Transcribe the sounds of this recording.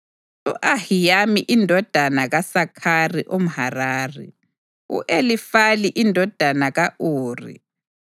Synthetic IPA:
uʔahijamiʔindʱɔd̥ʱanaɣasakʰariʔom̩haraːrɛ̰ | ṵʔelifaliʔindʱɔd̥ʱanaɣaʔuːrḭ

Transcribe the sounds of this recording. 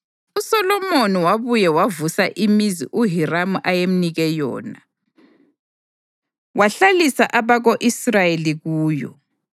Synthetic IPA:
usɔlɔmoniwaβujɛwavusaʔimizḭʔuɦiramuʔajem̩niɣɛjɔ̰ːna | waɬalisaʔaβaɣoʔisrajeliɣuːjɔ̰

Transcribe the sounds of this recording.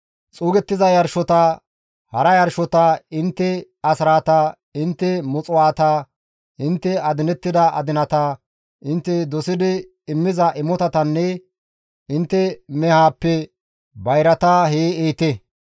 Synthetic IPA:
t͡sʼuːɡɛt̪ːɪzɐjɐɾʃɔt̪ɐ | hɐɾɐjɐɾʃɔt̪ɐɪnt̪ːɛ | ɐsɾaːt̪ɐ | ɪnt̪ːɛmɔt͡sʼʊwaːt̪ɐ | ɪnt̪ːɛɐd̪ɪnɛt̪ːɪd̪ɐʔɐ̰d̪ɪnɐt̪ɐ | ɪnt̪ːɛd̪ɔsɪd̪ɪː | mːɪzɐʔɪmɔt̪ɐt̪ɐnːɛ | ɪnt̪ːɛmɛhaːpːɛ | bɐjɾɐt̪aːɦeːeːt̪ɛ

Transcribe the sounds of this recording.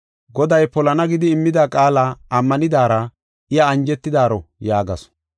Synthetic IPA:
ɡɔd̪ɐjpɔlɐnɐɡɪd̪ɪːmːɪd̪aːkʼaːlaɐmːɐnɪd̪aːɾɐ | ɪjɐːnd͡ʒɛt̪ːɪd̪aːɾɔjaːɡɐ̰sɔ̥

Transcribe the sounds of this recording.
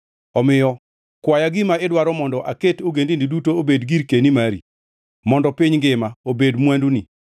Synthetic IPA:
ɔmɪjɔ | kwajaɡɪmaɪdwaɾɔmɔndɔʔaketoɡendindidutoobedɡiɾkenimaɾḭ | mɔndɔpiɲɡɪmaobedmwanduni

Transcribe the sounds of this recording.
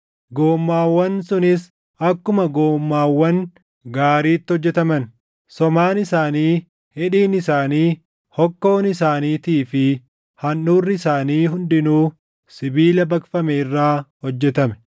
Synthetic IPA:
ɡoːmːaːwːɐnsʊnɪs | ɐkːʊmɐɡoːmːaːwːɐn | ɡaːɾiːt̪ːɪhɔd͡ʒːɛt̪ɐmɐn | sɔmaːnɪsaːniː | hɛᶑiːnɪsaːniː | hɔkːo̞ːnɪsaːniːt̪iːfɪ | hɐnːuːrːɪɪsaːniːɦʊnd̪ɪnuː | sɪbiːlɐbɐkfɐmɛɪrːaːhɔd͡ʒːɛt̪ɐmɛ̥

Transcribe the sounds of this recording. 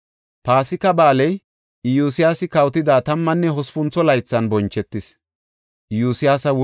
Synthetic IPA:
paːsɪkɐbaːlɛj | juːsɪjaːsɪkɐwt̪ɪd̪aːt̪ɐmːɐnːɛɦɔspʊnt͡sɔlɐjt͡sːɐnbɔnt͡ʃːɛt̪ːɪs | ɪjuːsɪjaːsɐw

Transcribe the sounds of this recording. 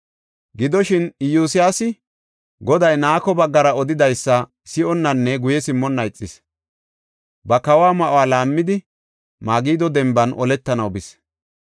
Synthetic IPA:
ɡɪd̪ɔʃɪnɪjuːsɪjaːsɪ | ɡɔd̪ɐjnaːkɔbɐɡːɐɾɐɔd̪ɪd̪ɐjsːɐ | sɪʔɔnːɐnːɛɡʊjɛsɪmːɔnːɐjt͡sʼːɪs | bɐkɐwaːmɐʔowaːlaːmːɪd̪ɪ | maːɡiːd̪ɔd̪ɛmbɐnʔɔlɛt̪ːɐnɐwbɪs

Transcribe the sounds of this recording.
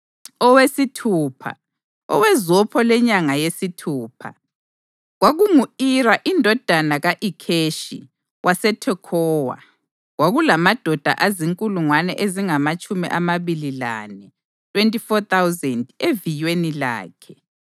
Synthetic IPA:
ɔwesitʰuːpʰa̰ | ɔ̰wɛzɔpʰɔlɛɲaŋajesitʰuːpʰa̰ | ɣwaɣuŋuiɾaʔindʱɔd̥ʱanaɣaʔikʰeʃḭ | wʔasɛtʰɛkʰɔːwa̰ | ɣwaɣulamad̥ʱɔd̥ʱa̰ʔaziŋkʼuluŋwanɛ̰ʔeziŋamat͡ʃʼumiʔamaβilila̰nɛ | tʰʼwentʼifɔt̪awzɛndevijwenila̰ːkʰɛ

